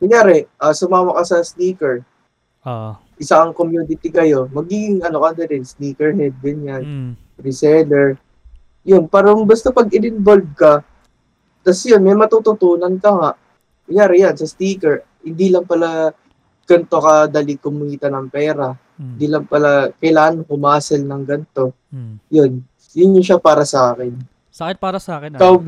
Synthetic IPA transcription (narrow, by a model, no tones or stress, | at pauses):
mɐŋjaːɾɛʔasʊmaːmɐkɐsɐst̪iːkɛɹ | ʔɪsaʔɐŋko̞mjuːnɪt̪ɪkɐjo̞mɐɡiɡɪŋɐno̞kɐnd̪ɐɾɪnst̪iːkɛɹhɛd̪̚ɡɐɲan | ɾɪsɛlɛɹ | jonpaːɾɐŋbɐst̪opɐɡɪnɪnbolb̚kɐ | t̪ɐsjonmɐjmɐt̪ut̪ʊt̪uːnɐnkɐŋaʔ | ɐjaːɾɪjansɐst̪iːkɛɹ | hɪnd̪ilɐŋpɐla | ɡ̥ɐnt̪o̞kɐd̪alikʊmʊiːt̪ɐnɐŋpɛːɾɐ | hɪnd̪iːlɐŋpɐlakɐjlaːʔɐnkʊmaːsɛlnɐŋɡɐnt̪o̞ | jon | jʊnɲʊʃapaːɾɐsɐʔaːkɪn | kaw